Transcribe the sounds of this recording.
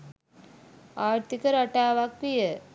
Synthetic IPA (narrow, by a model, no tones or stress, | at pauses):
aːɾt̪ikəɾaʈaːʋakʋijə